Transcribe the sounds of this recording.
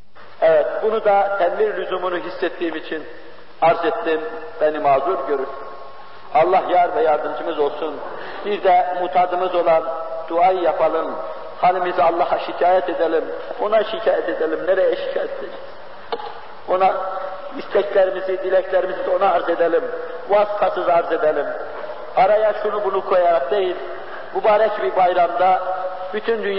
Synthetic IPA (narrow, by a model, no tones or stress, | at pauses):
ɛvɛt̪̚bunud̪ɑt̪ʰɛd̪miɾlʲyzumunuɦisːɛt̪ːiːmit͡ʃʰin | ɑɾzɛt̪ːim | b̥ænimɑːzuɾɟøɾy | ɑlˠːɑhjɑɾvɛjɑɾd̪ɯmd͡ʒʰɯmɯzo̞lˠsun | b̥iɾd̪ɛmuːt̪ʰɑːd̪ɯmɯzo̞lˠɑnd̪̥uɑjɯjapʰɑlˠɯn | hɑlʲimizɑlˠːɑhɑʃicʰaːjɛt̪ʰed̪ælimo̞naʃicʰaːjɛt̪ʰed̪ælʲimneɾɛjɛʃi̥cʰaːjɛt̪ʰlɛniz̥ | o̞na | mist̪ʰɛcʰlʲæɾimizid̪ilʲɛcʰlʲæɾimizid̪ɛo̞naːɾze̞d̪ælʲim | vaːsi̥fasɯzaɾze̞d̪ælʲim | ɑɾajaʃunubunukʰo̞jaɾak̚d̪ejilʲ | mubaːɾɛcbiɾbajɾamd̪a | byt̪ʰynd̪yn